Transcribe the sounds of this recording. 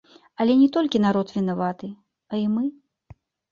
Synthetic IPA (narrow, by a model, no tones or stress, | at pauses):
ɐlʲɛnʲɛt̪ɔlʲkʲin̪aɾɔt̪vʲinavat̪ɨ | ɐimɨ